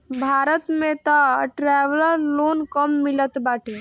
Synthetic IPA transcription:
bʱaːɾət̪mẽt̪əʈɾɛːʋələɾloːnkəmːilət̪baːʈʰi

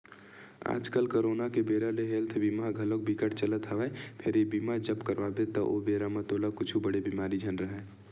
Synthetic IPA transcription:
a̰ːd͡ʒkəlkoɾoːnakebeːɾaleɦeːlt̪ʰbiːmaɡʱələk̚bikəʈt͡ʃələt̪ɦəʋɛpʰɪɾebiːmad͡ʒəbkəɾʋabet̪ɔʔo̰beːɾamãt̪oːləkʊt͡ʃʰubəɽebiːmaːɾid͡ʒʱənɾəɦɛ

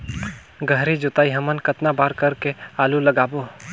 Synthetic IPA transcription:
ɡʱəɦɾid͡ʒʊt̪aːiɦɐmənkɐt̪nabaːɾkɐɾkeaːlulɐɡaːboː

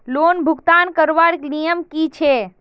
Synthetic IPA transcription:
loːnbʱuɡt̪ankəɾʋaɽknijəmkit͡ʃʰe

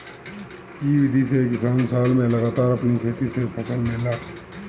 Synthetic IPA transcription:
iʋɪd̪ʱisekɪsaːnsaːlmẽlɐɡaːt̪aːɾɐpnikʰeːt̪isepʰɐsəlmɪ̃laː

